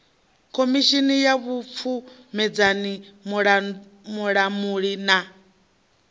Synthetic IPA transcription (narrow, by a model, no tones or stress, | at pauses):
kʰomiʃinijaβup̪fʰumɛd͡zanimɺa | muɺamuɺina